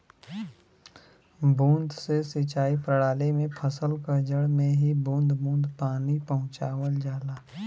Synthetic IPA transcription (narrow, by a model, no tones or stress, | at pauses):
bũːnd̪sesit͡ʃaːipɾəɽaːlemẽpʰəsəlkəd͡ʒəɽmẽɦibũːnd̪bũːnd̪paːnipɐɦʊ̃t͡ʃaːwəld͡ʒaːlaː